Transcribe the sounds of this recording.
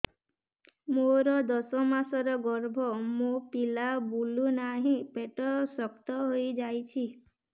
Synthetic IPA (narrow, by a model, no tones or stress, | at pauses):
moɾɔd̪ɔsɔmasɔɾɔɡɔɾbʱɔmopilabulunaɦĩpeʈɔsɔkt̪ɔɦojd͡ʒajt͡ʃʰi